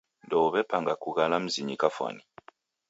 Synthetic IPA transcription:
ndoβepaŋɡakuɣalam̩ziɲikafwa̰ni

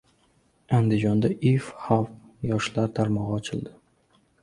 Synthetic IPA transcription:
and̪ɪd͡ʒɒnd̪aʔifhaf | jɒʃlaɾt̪ʰaɾmɒʁɒt͡ʃʰɪld̪ɪ

